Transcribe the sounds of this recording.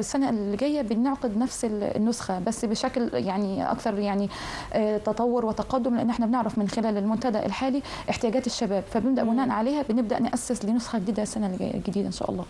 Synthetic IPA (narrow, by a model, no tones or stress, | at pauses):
esːænælːeɡæjːæbenoʕqed̪næfsḛnːosxæbæsːbeʃækljaʕniʔɑ̰kt̪ɑɾˤjaʕni | ʔt̪ɑt̪ˤɑwːoɾwet̪ɑqɑd̪ːomleʔenːʔeħnæbeneʕɾˤɑfmɪnxelæːlelmont̪æd̪æ̰ʔḛlħaːliʔeħt̪ejæːɡæːt̪eʃːæbæːbfæbenebd̪æʔmʊnæːnʕaleːhæbeneb̚d̪æʔnʔæsːeslenosxɑɡed̪iːd̪æsːænæleɡæ̰jːæ̰lɡæd̪iːd̪æʔenʃæ̰ʔɑ̰lˤːɑː